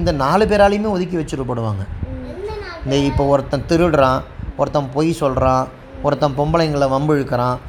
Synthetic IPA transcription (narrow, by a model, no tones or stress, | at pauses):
ɪnd̪ɐnaːlɯpeːɾaːlɪɯmeːɔðɯk̬ːiʋɐt͡ʃːɯɾɯpoːɽɯʋaːŋɡɐ | nd̪eɪpːoːɔɾɐt̪ːɐ̃t̪ɪɾɯɽɾãːɔɾɐt̪ːɐ̃mpoːjisɔlɾãː | ɔɾɐt̪ːɐ̃pɔmbɐlɐjŋɡɐɭɐʋɐmbɯɪɻɯkːɐɾãː